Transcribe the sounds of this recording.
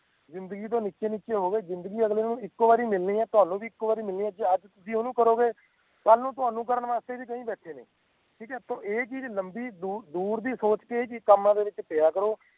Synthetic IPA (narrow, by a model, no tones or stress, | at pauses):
zɪnd̪əɡiːt̪̬õːniːt͡ʃeːniːt͡ʃeːɦoːɡeːzɪnd̪əɡiːəɡleːnũːɪkːoːbaːɾiːmɪlnĩːɛːt̪ʊaːnũːʋiːɪkːoːbaːɾiːmɪlniːɛːd͡ʒəd͡ʒt̪ʊsĩːonũːkəɾoːɡeː | kəlnũːt̪̬ʊɦaːnũːk̬əɾənʋaːst̪eːbiːkəĩːbɛːʈʰeːnḛ̃ː | ʈʰiːkɛːt̪õːeːt͡ʃiːd͡ʒləmbiːd̪uːd̪uːɾd̪iːsoːt͡ʃkeːeːkikəmːãːd̪eːʋɪt͡ʃpejaːkəɾoː